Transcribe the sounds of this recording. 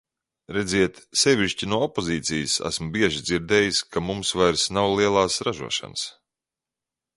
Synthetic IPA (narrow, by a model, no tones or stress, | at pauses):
ɾɛd̪zʲiɛt̪sɛvʲiʃcinuɔɔpoziːt̪sijəsæ̰smʊbiɛʒid̪ziɾd̪ɛːjiskamumsvajɾsnawlˠiɛlˠaːsɾaʒṵɔʃa̰ns